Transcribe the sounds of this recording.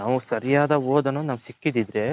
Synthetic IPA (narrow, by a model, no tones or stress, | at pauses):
naːʋusɐɾijaːd̪ɐoːd̪ɐnonaːʋusikːid̪id̪ɾe